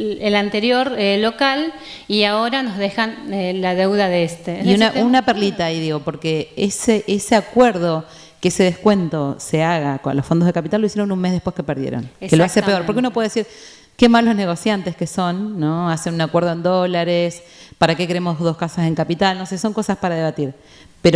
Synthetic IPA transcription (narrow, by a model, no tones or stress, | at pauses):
elant̪eɾjo̞ɾelo̞kal | iaoɾanozðexanelaðewðaðeest̪eiunaʔunaperlit̪aiðiɣo̞po̞ɾkeeseʔeseakweɾð̞o̞ | keese̞ð̞ehkwe̞nt̪o̞se̞aɣako̰nlofo̞nd̪oðekapit̪alːsjeɾonunmezðehpweskepeɾðjḛɾo̰nkeloasepeoɾpoɾkeunopweðesiɾ | ke̞malo̞zne̞ɣ̞o̞sjant̪e̞ske̞so̞nːo̞asenunakwe̞ɾð̞oend̪o̞laɾes | paɾake̞keɾemo̞zðo̞skasose̞ŋkapit̪alno̞seso̞ŋko̞saspaɾað̞e̞β̞at̪iɾ | peɾo